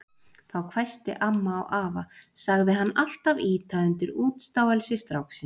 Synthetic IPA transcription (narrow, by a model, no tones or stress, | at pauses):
θawkʰvajst̪ɪ̰ʔamːa̰ːwʔaːvasaɣðɪɦanːal̥t̪aviːt̪ʰaʏnt̪ɪɾuːt̪st̪aːwɛlsɪst̪ɾawksɪ